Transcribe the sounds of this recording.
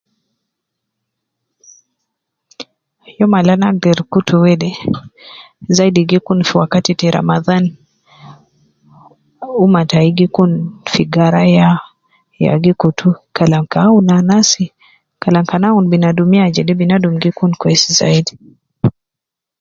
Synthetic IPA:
jɔmalanaɡiɾkutuwɛdɛ | zaidiɡikunfiwakatitɛɾa̰maðan | umataiɡikunfiɡaɾaja | ja̰ɡikutʰukalaŋkaunanasi | kalaŋkanaunbinadumiad͡ʒɛdɛbinadumɡikunkwɛsiza̰idi

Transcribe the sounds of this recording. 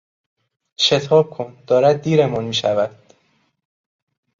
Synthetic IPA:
ʃe̞t̪ʰɒːb̥̚kʰond̪̥ɒːɾæd̪̚ːiːɾemɒnmiːʃævæd̪̥

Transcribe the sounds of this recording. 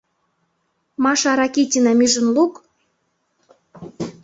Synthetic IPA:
mɑʃɑɾɑkitʲinɑmyʒə̆nluk

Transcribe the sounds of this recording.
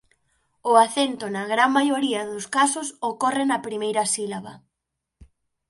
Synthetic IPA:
ʊaθent̪ʊnɐɣɾaŋmajoɾiɐðʊskasʊsokɔrɪnɐpɾimejɾɐsilaβɐ̰

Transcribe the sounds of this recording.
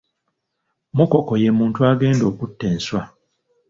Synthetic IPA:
muko̞ko̞je̞muːntuaːɡe̞ːndo̞ːkutːeːnswa

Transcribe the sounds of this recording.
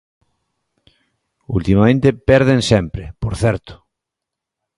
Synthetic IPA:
ṵlt̪imamẽnt̪epɛɾðẽnsɛmpɾepoɾθɛɾt̪ʊ̥

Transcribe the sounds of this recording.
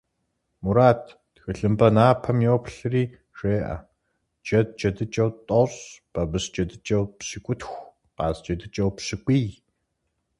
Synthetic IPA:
muɾaːtʰː | xɨɬɨmbɐnaːpʰɐmjoːpʰɬɨriː | ʂeːʔɐ̰ | d͡ʒɐt̚t͡ʃʼɐdɨt͡ʃʼɐwt̪ʼɔɕb̥ɐbɨst͡ʃʼɐdɨt͡ʃʼɐwpɕikʷʼʊtxʷ | qa̰ːzt͡ʃɐdɨt͡ʃʼɐwpɕikʷʼiːj

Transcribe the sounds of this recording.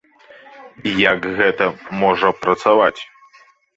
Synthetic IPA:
ijaɡɣɛt̪ɐmɔʐɐpɾɐt̪savat͡sʲ

